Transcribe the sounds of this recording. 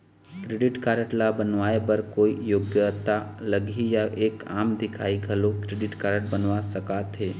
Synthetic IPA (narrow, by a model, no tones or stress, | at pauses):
kɾeɖɪʈkaːɾəʈlabənʋaːebəɾkoːijoːɡjət̪aləɡijaʔeːkaːmd̪ɪkʰa̰ːiɡʱəlokɾeɖɪʈkaːɾəʈ̚bənʋasəkat̪ɦeː